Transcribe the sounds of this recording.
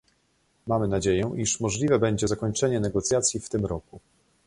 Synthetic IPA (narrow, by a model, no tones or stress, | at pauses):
mamɘnad͡ʑejɛʔiʂmɔʐlʲivɛbɛɲd͡ʑɛzakɔɲt͡ʂɛɲɛnɛɡɔt̪sʲjat̪sʲjift̪ɘmɾɔku